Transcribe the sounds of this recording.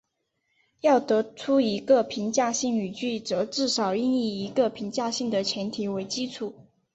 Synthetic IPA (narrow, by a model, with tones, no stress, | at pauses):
jɑ˥˩ʊt̪ɤ˧˥ʈ͡ʂʰu˥i˧˥ɡə˧pʰi˧˥ŋt͡ɕja˥˧ɕi˥˩ŋy˨˩t͡ɕy˥˩ʈ͡ʂɤ˨˧˥ʈ͡ʂɻ̩˥˩ʂɑ˨˩ʊi˥˧ŋi˥˩i˧˥ɡə˧pʰi˧˥ŋt͡ɕja˥˧ɕi˥˩ŋd̪ə˩t͡ɕʰjɛ˧˥nt̪ʰi˧˥we˧˥ɪt͡ɕi˥ʈ͡ʂʰu˨˩˦